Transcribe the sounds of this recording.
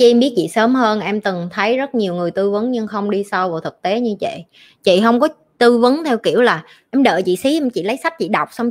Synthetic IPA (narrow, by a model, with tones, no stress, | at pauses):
t͡ɕi˧mɓi˦˥ət̚t͡ɕḭ˧˨səː˨˦mhəː˧nʔɛ˧mt̪ɨ˨˩ŋt̪ʰə˨˦jzə˦˥t̚ɲi˨˩əwŋɨ˨˩əjt̪ɨ˧vɨ˨˦nɲɨ˧ŋxə˧wŋ͡mɗi˧sa˧wvaː˨˩t̪ʰɨ˨˩k̚t̪e˨˦ɲɨ˧t͡ɕḭ˧˨ | t͡ɕḭ˧˨ɦə˧wŋ͡mkɔ˨˦ | t̪ɨ˧vɨ˨˦nt̪ʰɛ˧wkḭ˧˩əwlaː˨˩ | ʔɛ˧mɗə̰ː˧˨t͡ɕḭ˧˨si˨˦ʔɛ˧mt͡ɕḭ˧˨lə˨˦jsa˦˥p̚t͡ɕḭ˧˨ɗa˨˩wk͡p̚sa˧wŋ͡m